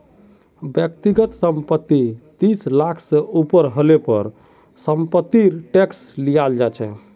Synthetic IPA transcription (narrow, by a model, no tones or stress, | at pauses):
bjəkt̪iɡət̪səmpət̪ːit̪islakʰsəupəɾɦəlepəɾ | səmpət̪ːiɾʈekslijald͡ʒat͡ʃʰɛ̰